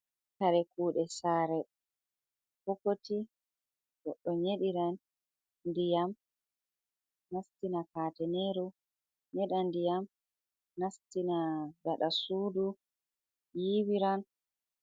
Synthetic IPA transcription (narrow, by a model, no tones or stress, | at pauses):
kaɾɛkuːɗɛsaːɾɛ | fɔkoti | ɗɔɗɔɲeɗiɾan | ndijam | nastinakaːtɛneɾu | ɲɛɗandijam | nastinaɡaɗasuːdu | jiːwiɾan